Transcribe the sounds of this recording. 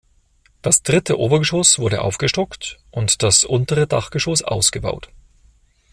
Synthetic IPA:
d̥asd̥ʁɪtʰəʔo̰ːbɐɡəʃoːsv̥ʊɐdə̰ʔa̰ʊfɡ̥əʃtɔktʔʊntd̥asʔʊntəʁəda̰χɡ̥əʃoːsʔa̰ʊsɡ̥əba̰ʊt

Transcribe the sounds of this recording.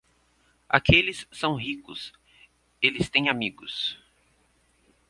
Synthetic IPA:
a̰kelɪsːɐ̃w̃ɦikʊ̰s | elɪst̪ẽj̃amiɡʊs

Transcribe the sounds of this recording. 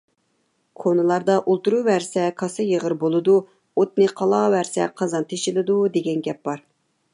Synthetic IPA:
kʰonɨlˠɑɾd̪ɑʔolˠt̪uɾuwæɾsɛkʰɑsɨjəʁəɾbolˠɨd̪u | ot̪̚nɨqʰɑlˠɑwæɾsɛ̰qʰɑzɑnt̪ʰeʃilɪd̪ud̪eɡʲɛnɡʲɛp̚bɑɾ

